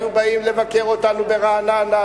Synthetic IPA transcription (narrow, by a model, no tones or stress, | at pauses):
ubaimle̞vake̞ʁo̞t̪anube̞ʁaːnaːna